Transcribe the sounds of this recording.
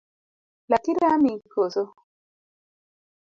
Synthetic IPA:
latiɾamikʰoso

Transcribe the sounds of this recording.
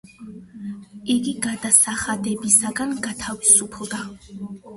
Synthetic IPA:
iɡiɡad̪asaχad̪ɛbisaɡanɡat̪ʰavisupʰlˠd̪a

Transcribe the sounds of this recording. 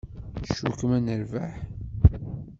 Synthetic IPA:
ʃukəmænəɾvaħ

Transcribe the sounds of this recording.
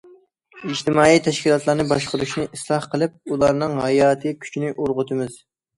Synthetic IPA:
id͡ʒt̪ɪmɑːit̪ʰɛʃkʲilˠɑt̪lˠɑɾnɨbɑʃqʊɾuʃnɨʔislˠɑhqʰəlˠɨp̚ulˠɑɾnɨŋɦɑjɑːt̪ʰɨkʲʰy̥t͡ʃʰnɪʔoɾʁʊt̪ʰɨmɪz̥

